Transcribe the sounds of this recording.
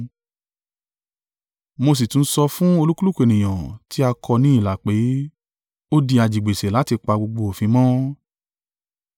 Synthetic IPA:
mo˧s̬i˨tũ˨n̩˦sɔ˧fũ˦o˧lu˦ku˦lu˦ke˨nĩ˨j̃ã˨ti˦a˧kʰɔ˧nĩ˦i˦˨la˨k͡pe˨˦ | o˦di˧a˧d͡ʒi˨ɡ͡be˨sɛ˨la˨˦ti˧k͡pa˧ɡ͡bo˧ɡ͡bo˧o˨fĩ˧mɔ̃˦

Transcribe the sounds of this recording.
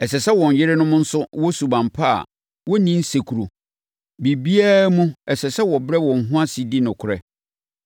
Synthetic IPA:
ɛ˨sɛ˨sɛ˦wɔ̃˨ɲ˨jɪ˦ɾɪ˦nʊ̃˦mʊ̃˦n̩˦sʊ˦wɔ˦su˨bã˨mpʰa˦a̰˨ | wɔ˦nĩ˦n̩˦se˨kʰu˨ɾo̰˨ | bi˨bi˦aː˦mũ˦ɛ˨sɛ˨sɛ˦wɔ˨bɾɛ˦wɔ̃˨ŋ̩˨ɦʊ̃˦a˦si˨di˦nʊ̃˨kʰʊ˨ɾɛ˦

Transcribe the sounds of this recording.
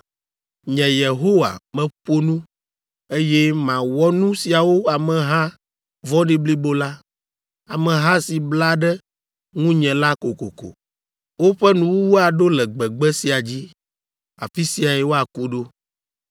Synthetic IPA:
ɲɛ̃˨je˨ɦo˦wa̰˨mɛ̃˨ɸo˦nũ˦ | e˦jɛ˦mã˨wɔ˦nũ˦si˨a˨wo˦a˨mɛ̃˨ɦã˦ | vɔ̃˦ɖi˦bli˦bo˦la˦ | a˨mɛ̃˨ɦã˦si˨bla˦ɖɛ˦ | ŋũ˦ɲɛ̃˨la˦ko˨ko̰˨ko̰˨ | wo˦ɸɛ˦nũ˨wu˦wo˦a˨ɖo˦lɛ˨ɡ͡bɛ˨ɡ͡bɛ˦si˨a˨d͡ʑi˦ | a̰˨fi˦si˨a˨jɛ˨wo˦a˨ku˦ɖo˦

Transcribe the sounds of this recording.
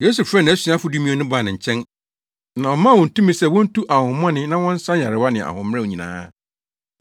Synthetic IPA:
je˦su˨fɾɛ˦nã˨æ˦si˨˦a˦fʊ˨˦du˦mĩ˦o˦nʊ̃˦ba˦˨nɪ̃˨ɲ̩˨t͡ɕʰɛ̃˦n | nã˨ɔ˨mã˦˨wɔ̃˨n̩˨tũ˦mĩ˦sɛ˦˨wɔ̃˦n̩˦tʰu˦ʔa˨hʊ̃˨m˦ɔ̃˦nɪ̃˦nã˦wɔ̃˦n̩˦sã˦ɲ˨a˨ɾɪ˨wa˦nɪ̃˨ʔa̰˨hʊ̃˨m˦ɾɛ̃˦wo˨ɲĩ˨nã̰ː˦

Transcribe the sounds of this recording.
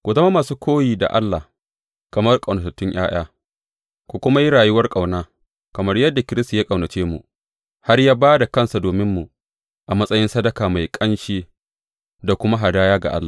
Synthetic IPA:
kʷu˨zɐ˦ma˦maː˨suː˦kʷʰoː˦jiː˨da̰˨ʔa̰˦lːa˨h | kɐ˨mɐ˦rkʼɐ˨nɐ˨tɐ˨tːʊ˦ɲj̰a̰ː˦j̰aː˦ | kʷu˨kʷʊ˦ma˦ji˦ɽaː˨jʊ˦wɐ˦rkʼɐ˨wnaː˦ | kɐ˨mɐ˦rjɐ˦dːa˨kʲɪ˦ɾɪ˦sta˨ja˦kʼɐ˨wnɐ˨t͡ʃeː˦mṵ˨ʔ | ha˦rjaː˦baː˦da˨kɐ˦˨nsa˨doː˨mɪ˦mːu˨ | ʔa˨mɐ˦sʼɐ˦jɪ˦nsɐ˦dɐ˨kaː˨ma˨jkʼɐ˦nʃeː˦ | da˨kʷʊ˦ma˦ɦa˨daː˦jaː˦ɡa̰˨ʔa̰˦lːaː˨

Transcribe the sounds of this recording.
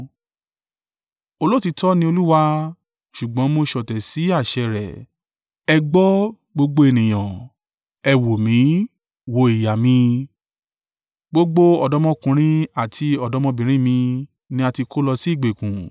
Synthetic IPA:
o˦˧lo˦˨ti˧tɔ˦nĩ˧˦o˧lu˦wa˧ | ʃu˨ɡ͡bɔ̃˨˦mo˧ʃɔ˨tɛ˨si˨˦a˦˨ʃɛ˧˨ɾɛ˨ | ɛ˧ɡ͡bɔ˦ | ɡ͡bo˧ɡ͡bo˧e˧nĩ˨j̃ã˨ | ɛ˧wo˨mĩ˨˦ | wo˨˦i˨ja˨mĩ˧ | ɡ͡bo˦ɡ͡bo˦ɔ˨dɔ˦mɔ̃˧˦kũ˧ɾ̃ĩ˦a˨tʰi˧ɔ˨dɔ˨˦mɔ̃˧bĩ˨ɾ̃ĩ˦mĩ˧ | nĩ˧˦a˧ti˧ko˦lɔ˧si˦i˦˨ɡ͡be˨kũ˨

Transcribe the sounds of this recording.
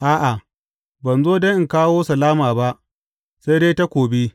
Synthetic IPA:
ʔaː˦ʔa˨ | bɐ˨nzoː˦dɐ˦ʔɪ˦˨ŋkaː˦woː˦sɐ˨laː˦maː˨ba˦ʔ | se˦jdeː˦ta˦kʷoː˨bi˦

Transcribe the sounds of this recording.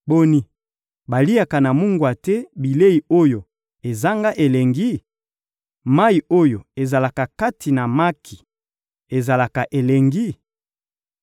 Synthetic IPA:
bo˦ni˨ | ba˨li˦a˨ka˨na˨mu˦ŋɡwa˨tɛ˦bi˨le˦i˨o˦jo˨ | e˨za˦ŋɡa˦ʔe˨le˨ŋɡi˦ | ma˦i˨o˦jo˨e˨za˨la˨ka˨ka˦tʰi˨na˨ma˦kʰi˨ | e˨za˨la˨ka˨ʔe˨le˨ŋɡi˦

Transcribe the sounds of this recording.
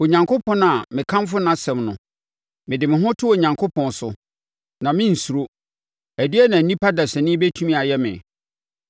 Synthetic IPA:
o˨ɲã˨ŋkʰo˦pʰɔ̃˦na˨mɪ̃˨kʰã˦mfʊ˦nã˨˦sɛ̃˨mnʊ̃˨ | mɪ̃˨dɪ˨mɪ̃˨ɦʊ̃˦tʰʊ˦o˨ɲã˨ŋkʰo˦pʰɔ̃˨nsʊ̰˨ | nã˨mɪ̃˦n̩˨su˨ɾo˦ | æ˨di˦ɛ˦nã˨nĩ˦pʰa˦da˨sɛ˨nɪ̃˦be˦tʰũ˦mĩ˦a˨jɛ˦mɪ̰̃˨

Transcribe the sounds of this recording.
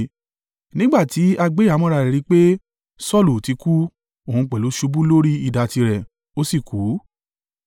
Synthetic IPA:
nĩ˦ɡ͡ba˦˨ti˨˦a˧ɡ͡be˦a˨˧˦mɔ̃˦ɾa˧˨ɾɛ˨ɾĩ˨˧˦k͡pe˦ | sɔ˦˨lu˨ti˨˧˦ku˦ | o˦˨ũ˧k͡pɛ˨lo˨˦ʃu˧˦bu˦lo˦ɾi˦i˦˧˨da˧ti˧ɾɛ˨ | o˦si˦˨ku˨˦

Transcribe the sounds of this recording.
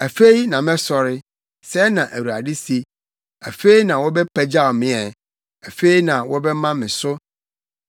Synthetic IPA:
æ˨fe˦i˦nã˨mɛ̃˦sɔ˨ɾɪ˦ | sɛ˦nã˨ʔæ˨wu˨a˨dɪ˦si˦ | æ˨fe˦i˦nã˨wɔ˦bɛ˦pʰæ˦d͡ʑa˦˨mɪ̃˦ɛ˨ | æ˨fe˦i˦nã˨wɔ˦bɛ˦mã˦mɪ̃˨sʊ˦

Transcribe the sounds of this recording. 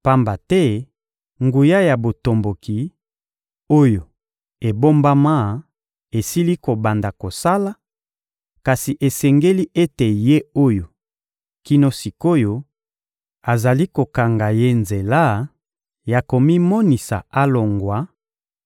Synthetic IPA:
pa˦mba˨tɛ˦ | ŋɡu˨ja˦ja˨bo˨to˨mbo˨ki˨ | o˦jo˨ | e˨bo˦mba˦ma˦ | e˨si˦li˦ko˨ba˨nda˨ko˨sa˦la˦ | ka˨si˨ʔe˨sɛ˨ŋɡe˦li˦ʔe˦te˨je˦o˦jo˨ | ki˦no˦si˨ko˦jo˦ | a˨za˨li˦ko˨ka˨ŋɡa˨je˦nze˨la˦ | ja˨ko˨mi˦mɔ˦ni˨sa̰˨a˦lo˨ŋɡwa˨˦

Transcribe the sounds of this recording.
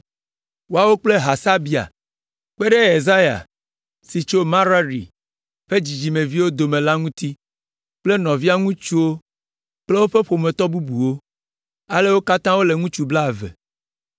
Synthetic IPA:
wo˦a˦˨wo˦k͡ple˦ɦa˨sa˦bi˨a̰˨ | k͡pe˦ɖe˦e˨za˦ja̰˨ | si˨t͡ʃo˦mã˦ɾa˦ɾḭ˨ | ɸe˦d͡ʑi˨d͡ʑi˨mẽ˨vi˦wo˦d̪o˨mẽ˨la˦ŋũ˦t̪i˦ | k͡ple˦nɔ̃˨vi˦a˦ŋũ˦t͡ʃu˦wo˦ | k͡ple˦wo˦ɸe˦ɸo˨mẽ˨t̪ɔ˦bu˦bu˨wo˦ | a˦le˦wo˦ka˦t̪ã˦wo˦le˨ŋũ˦t͡ʃu˦bla˦˨vḛ˨

